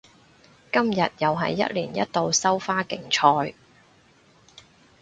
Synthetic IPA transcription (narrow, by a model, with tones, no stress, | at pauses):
kɐ˥mjɐ˨t̚jɐ˨wɦɐ̰˨jːɐ̰˥t̚liː˨˩njɐ̰˥t̚t̪o˨˧wsɐ˥wfaː˥kɪ˨ŋt͡ʃʰɔː˧j